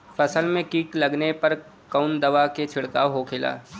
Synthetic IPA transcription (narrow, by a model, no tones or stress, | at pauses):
fɐsəlmẽkiːklɐɡnepɐɾ | kaʊnd̪ɐʋaket͡ʃʰɪɽkaːʋɦokʰɪla̰ː